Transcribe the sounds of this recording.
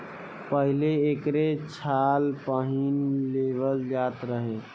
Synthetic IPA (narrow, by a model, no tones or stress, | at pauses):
pəɦileːkɾet͡ʃʰalpəɦinleβəld͡ʒat̪ɾəɦe